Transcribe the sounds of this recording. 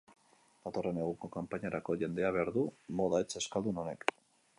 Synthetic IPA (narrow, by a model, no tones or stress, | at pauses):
d̪̥at̪o̞re̞ne̞ɣ̞uŋko̞kampaɲaɾako̞ʝe̞nd̪e̞aβe̞aɾðumo̞ðaet͡seskald̪uno̞ne̞k